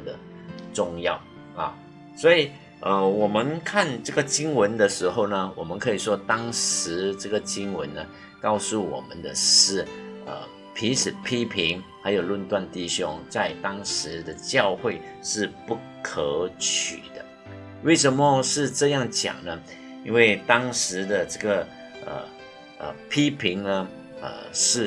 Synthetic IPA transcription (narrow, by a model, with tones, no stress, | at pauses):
d̪ə̰˩ | ʈ͡ʂʊ˥˧ŋjɑ˥˨˩ʊ | a̰˨˩ | swɔ˧˥i˨˩ | ʔə˧wɔ˨˩mə˦nkʰa˥˨nʈ͡ʂɤ˥˩ɡə˨˩t͡ɕi˥ŋwə˨˧˥nd̪ə˨ʂɻ̩˧˥xo˥˩ʊnə˩wɔ̰˨˩mə˦nkʰɤ˧˥i˨˩ʂwɔ˥t̪ɑ˥ŋʂɻ̩˧˥ʈ͡ʂɤ˥˩ɡə˩t͡ɕi˥ŋwə̰˧˦nːə˧ | kɑ˥˧ʊsu˥˩wɔ̰˨˩mə̰˦nd̪ə̰˧˨ʂɻ̩˥˩ə̰˨˩ | pʰi˧˥nʂʰɻ̩˨˩pʰi˥pʰi˧˥ŋxa˧˥ɪjo˨˩ʊlwə˥˧nt̪wa˥˧nt̪i˥˩ɕjʊ˦˥ŋt͡sa˥˩ɪt̪ɑ˥ŋʂɻ̩˧˥d̪ə˧t͡ɕjɑ˥˧ʊxwe˥˧ɪʂɻ̩˥˧pu˥˩ | kʰə˧˥˦t͡ɕʰy̰˨˩d̪̥ə˦ | we˥˩ɪʂə˧˥nmə˧ʂɻ̩˥˧ʈ͡ʂɤ˥˧jɑ˥˩ŋt͡ɕjɑ̰˨˩ŋnə˦ | i˥nwe˥˩ɪt̪ɑ˥ŋʂɻ̩˧˥d̪ə˨ʈ͡ʂə˥˩ɡə˩ | ə̰˨˩ | ʔə̰˨˩pʰi˥pʰi˧˥ŋnə˧ | ə̰˨˩ʂɻ̩˥˩